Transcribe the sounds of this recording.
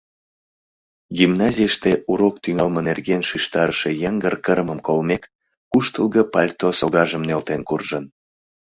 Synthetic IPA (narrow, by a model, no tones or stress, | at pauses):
ɡimnɑzʲijəʃt̪eʔuɾok̚t̪yŋɑlmənerɣenʃiʃt̪ɑɾəʃejəŋɡərkəɾməmkolmek | kuʃt̪əlɣəpɑlʲt̪osoɣɑʒəmnølt̪enkurʒən